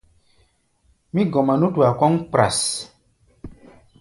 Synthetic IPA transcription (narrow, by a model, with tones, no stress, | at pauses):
mĩ˦ɡɔ˨ma˨nũ˦tu˨a˨kɔ˦ŋk͡pɾa̰˨s